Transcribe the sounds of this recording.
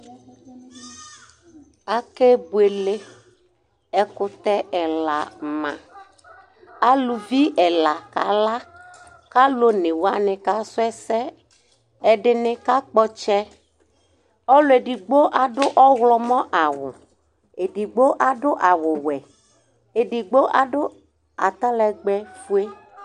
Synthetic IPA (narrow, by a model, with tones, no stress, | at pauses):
a˦ke˦bu˨e˨le˦ | ɛ˦kʊ˦t̪ɛ˦ʔɛ˨la˨mã̰˨ | a˦lu˨vi˦ɛ˨la˨ka̰˨la˦ | ka˦lo˦nɪ̃˨wo˨˦a˦nɪ̃˨ka˦sʊ˦ɛ˦sɛ˦ | ɛ˨ɖɪ˨nɪ̃˦ka˦k͡pɔ˦t͡ʃɛ˦ | ɔ˦lʊ˨˦e˨ɖi˨ɡ͡bo˦ʔa˨ɖʊ˦ʔɔ˦wlɔ˦mɔ̃˦ʔa˨wʊ̰˨ | e˨ɖi˨ɡ͡bo˦ʔa˨ɖʊ˦ʔa˨wʊ˨wɛ˨ | e˨ɖi˨ɡ͡bo˦ʔa˨ɖʊ˦ | a̰˨t̪a˦lɛ˨ɡ͡bɛ˦fu˦e˦